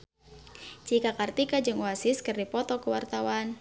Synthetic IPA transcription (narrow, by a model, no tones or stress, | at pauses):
t͡ʃikakart̪ikad͡ʒɨŋwasɪskɨrdipɔt̪ɔkəwart̪awan